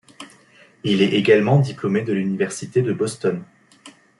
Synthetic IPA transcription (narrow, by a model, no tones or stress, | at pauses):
ilɛʔeɡalmɑ̃d̪iplomed̪əlynivɛʁsit̪ed̪əbɔst̪ɔn